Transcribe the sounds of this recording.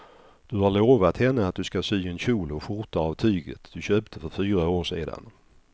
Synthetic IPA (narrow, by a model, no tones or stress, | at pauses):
d̪̥ɵhaɭoːvat̪hɛnːəat̪̚d̪ɵskasyːɛnɕuːlɔɧʊɾt̪aavt̪ʰyːɡə̰t̪d̪̥ɵɕøːpt̪ʰəfœɾfyːɾaoːʂeːd̪a̰n